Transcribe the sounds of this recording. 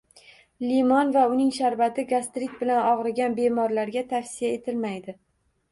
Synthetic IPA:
limɒnvaʊnɪŋʃaɾbat̪ʰɪɡast̪ɾɪt̪̚bɪlanɒʁɾaɡʲanbe̞mɒɾlaɾɡʲat̪ʰafsijae̞t̪ʰɪlmajd̪ɪ

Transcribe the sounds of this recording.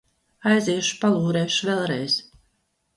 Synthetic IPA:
ajziːʃu̥palˠuːɾɛːʃuvɛlˠɾɛjz̥

